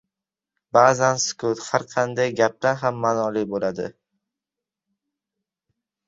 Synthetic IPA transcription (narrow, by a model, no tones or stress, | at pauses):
baːzanskot̪haɾqʰɑnd̪ajɡʲap̚t̪anɦamːanɒlibolad̪ɪ̰